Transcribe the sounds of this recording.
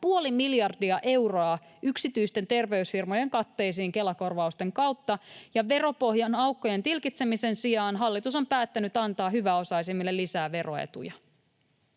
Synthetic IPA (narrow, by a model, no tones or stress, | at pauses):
puo̞limiljɑrdiɑʔe̞wroɑ | yksit̪yjst̪e̞nt̪e̞rʋe̞ysfirmo̞je̞ŋkɑt̪ːe̞ːs̬iːŋke̞lɑko̞rʋɑust̪e̞ŋkɑwt̪ːɑjɑʋe̞ɾo̞po̞ɦjɑnɑwkːo̞je̞nt̪ilkit̪se̞mise̞nsijɑːnɦɑlːit̪uso̞mpæːt̪ːænyt̪ɑnt̪ɑːɦyʋæo̞sɑis̬imːilːelːisæːʋe̞rʔo̞̰ḛt̪ṵjɑ